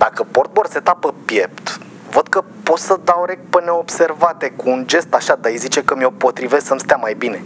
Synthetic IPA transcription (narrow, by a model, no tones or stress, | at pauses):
d̪̥akəport̪̚bo̞rse̞t̪apəpje̞p̚t̪ | vəd̪̚kəpo̞t̪səd̪auɾek̚pəneobse̞rvat̪ekuːnd͡ʒe̞st̪aʃad̪aijzit͡ʃe̞kəmiopo̞t̪ɾive̞ssəmst̪eamajbine̞